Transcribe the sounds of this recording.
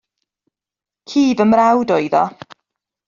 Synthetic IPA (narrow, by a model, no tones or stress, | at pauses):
kʰiːvəmrɾawdojðɔ̰